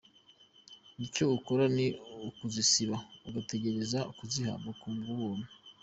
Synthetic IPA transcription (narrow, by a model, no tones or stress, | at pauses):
nico̞ukoɾaniukuzisiβauɡate̞ɟe̞ɾe̞zaukuziha̰bɡakuːmɡuβoːmu